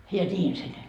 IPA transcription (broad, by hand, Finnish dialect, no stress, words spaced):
jɑ nʲiːn se nyt